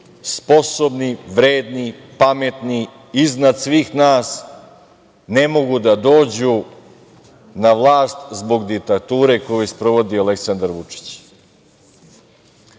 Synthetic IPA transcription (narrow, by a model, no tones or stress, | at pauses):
spo̞so̞bniʋɾeːd̪nipame̞t̪ni | iznad̪sʋiːxnaːs | nemo̞ɡud̪ad̪o̞ːd͡ʑu | naʋlˠaːst̪zbo̞ɡd̪ik̚t̪at̪uːɾe̞kojujspɾo̞ʋo̞d̪iale̞ksand̪aɾʋut͡ʂi̥t͡ɕ